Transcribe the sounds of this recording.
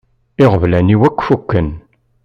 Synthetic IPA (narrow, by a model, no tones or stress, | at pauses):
ɪʁəvlæniwækʷːfukːən